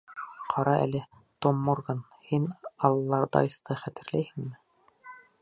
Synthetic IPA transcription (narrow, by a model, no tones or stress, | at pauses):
qʰɑɾɑʔæ̰lɘ | t̪omːoɾɡɤn | hinɑlˠɤlˠːɑɾd̪ɑ̰ist̪ɤχæt̪ɘ̆ɾlæjhɘ̆ŋmɘ